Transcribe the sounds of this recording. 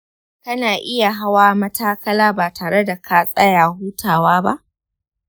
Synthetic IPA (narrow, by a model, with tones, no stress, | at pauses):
kɐ˦naː˨ʔɪ˦ja˨ɦa˦waː˦mɐ˦tʰaː˦kɐ˦laː˦baː˨tʰaː˨ɽe˦da˨kʰaː˦sʼɐ˦jaː˨huː˦tʰaː˨waː˦ba˦ʔ